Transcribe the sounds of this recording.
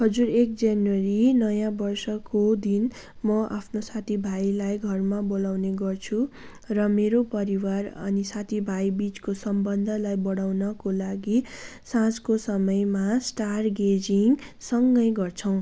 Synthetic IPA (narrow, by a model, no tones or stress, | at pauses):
hʌd͡zuɾek̚d͡zjanwʌɾinʌjãbʌrsʌkod̪in | mʌʔa̰pʰnosat̪ʰibʱajlajɡʱʌrmabolawneɡʌrt͡sʰu | rʌmeɾopʌɾiwarʌ̰nisat̪ʰibʱajbit͡skosʌmbʌnd̪ʱʌlajbʌɽawnʌkolaɡisãskosʌmʌjmasʈarɡed͡ziŋsʌŋɡʌjɡʌrt͡sʰʌw̃